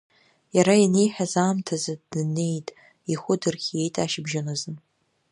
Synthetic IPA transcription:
jaɾajine̞jħᶣazaːmtʰazadne̞jtʼ | iχʷʊdɨrχʲje̞jtʼaʃɪbʒanazɨn

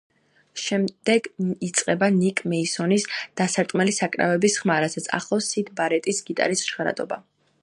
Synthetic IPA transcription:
ʃɛmd̪̥ɛɡit̪sʼqʼɛbanikʼmɛisɔnisd̪̥asaɾt̪ʼmɛlisakʼɾa̰vɛbisχmaɾasat̪sʰa̰χlˠɔsid̪ʰbaɾɛt̪ʼisɡit̪ʼa̰ɾisʃʁɾa̰d̪ʼɔ̰ba̰

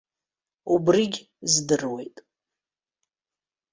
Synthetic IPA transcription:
ubriɡʲ | zdɨrwejtʼ

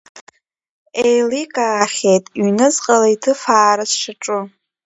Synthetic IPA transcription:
ejlikʼaːχʲejtʼɥnɨzqʼalaitʰɨfaːɾɨsʂaʈ͡ʂʼʊ

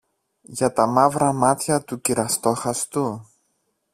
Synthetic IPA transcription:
ʝɐt̪ɐmɐvɾɐmɐt̪çɐt̪uciɾɐst̪oxɐst̪u

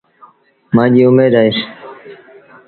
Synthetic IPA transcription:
mãːʄiːʊmeːd̪aːes

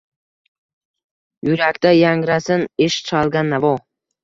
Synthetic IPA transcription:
jʊɾakʲt̪ajaŋɾasɪnɪʃt͡ʃʰalˠɡʲanːavɒ

